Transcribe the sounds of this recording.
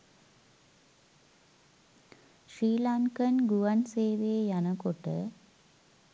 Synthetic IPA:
ʃɾiːlaŋkɐnɡuʋɐnseːʋeːjɐnɐkoʈːə̰

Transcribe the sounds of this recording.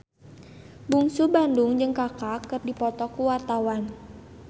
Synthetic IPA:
buŋsubanduŋd͡ʒɨŋkakakːɨrdipɔt̪ɔkuwart̪awan

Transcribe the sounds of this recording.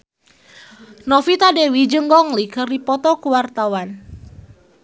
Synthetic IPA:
nɔfit̪adewid͡ʒəŋɡɔŋlikərdipɔt̪ɔkuwart̪awan

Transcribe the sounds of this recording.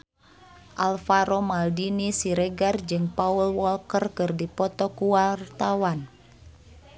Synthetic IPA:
ʔalfaɾɔmaldinisiɾɛɡard͡ʒɨŋpaulwɔlkərkɨrdipɔt̪ɔkuwart̪awan

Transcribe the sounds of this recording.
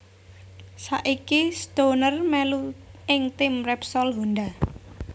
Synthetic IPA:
saʔikist̪onərmɛluɪŋt̪ɪmrɛpsɔlɦond̪a

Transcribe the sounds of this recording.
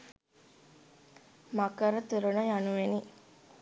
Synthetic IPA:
makəɾət̪uɾunɐjanuʋeni

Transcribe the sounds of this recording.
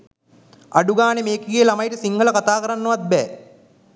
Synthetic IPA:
aɖuɡaːnemeːkiɡijəlamɐjʈəsiŋɡʱələkat̪aːkɐɾanːuʋat̪̚bɛ̰ː

